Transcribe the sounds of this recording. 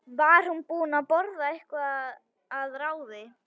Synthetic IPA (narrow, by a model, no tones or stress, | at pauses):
vaɾ̥hunpuːnapɔɾðaɪhkvaað | aðɾaːwðɪ